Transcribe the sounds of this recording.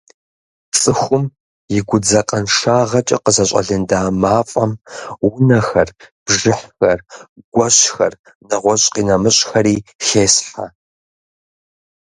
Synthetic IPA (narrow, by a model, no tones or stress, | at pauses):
t͡sʼɨxʷʊm | jɪɡʷʊd͡zɐqʼɐnʂaːʁɐt͡ʃʼɐ̰qəzɐɕʼɐ̰ɮɨndaːmaːfʼɐmwʊnɐxɐrb̥ʒɪħxɐrɡ̥ʷɐɕxɐr | nɐʁʷɔɕʼqiːnɐmɨɕʼxɐɾiːxeːsħa̰